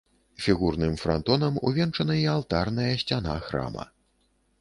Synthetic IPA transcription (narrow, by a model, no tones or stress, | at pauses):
fʲiɣurnɨmfɾa̰nt̪ɔnɐmṵvʲɛnt͡ʂɐnɐialˠt̪arn̪ɐjɐsʲt͡sʲana̰xɾa̰mɐ̰